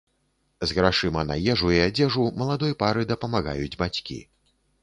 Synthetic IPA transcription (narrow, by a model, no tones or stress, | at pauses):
zɣɾaʂɨmɐna̰jɛʐujɛad͡zʲɛʐumɐlˠad̪ɔjpaɾɨd̪ɐpɐmaɣa̰jud͡zʲbat͡sʲkʲḭ